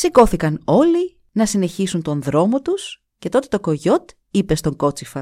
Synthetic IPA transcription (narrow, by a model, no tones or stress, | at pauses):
siko̞θikɐno̞li | nɐsine̞çisunt̪o̞nðɾo̞mot̪us | ce̞t̪o̞t̪e̞t̪o̞ko̞ʝo̞t̪ | ipe̞st̪o̞ŋɡo̞t͡sifɐ